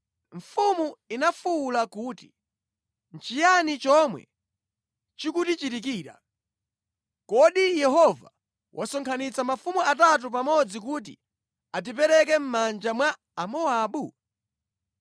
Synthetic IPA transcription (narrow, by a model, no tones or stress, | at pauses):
ɱ̩fumuinafuːlakuːti̥ | nt͡ʃijanit͡ʃɔmwɛ̰ | t͡ʃikutit͡ʃitik̬iːɾa̰ | kɔɗijɛɦɔva̰ | wʔasɔŋkʰanit͡samafumuatat̬upamɔd͡zik̬uːt̬ḭ | at̬ip̬ɛɾɛkɛm̩mand͡ʒamwa | amɔaːɓu